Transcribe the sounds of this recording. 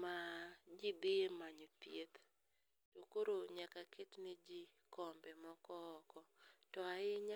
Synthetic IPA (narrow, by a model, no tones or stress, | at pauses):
mad͡ʒibiemaɲopjet̪ | tokoɾoɲakaketnɪd͡ʒi | kɔmbɛmɔkɔːkɔtɔaɪɲa